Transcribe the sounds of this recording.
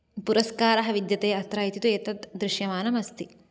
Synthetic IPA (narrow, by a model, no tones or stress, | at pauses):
puɾɐskaːɾɐɦɐʋid̪jɐt̪eːɐt̪ɾaːjit̪it̪uet̪ɐd̪d̪ɾɪʃjɐmaːnɐmɐst̪i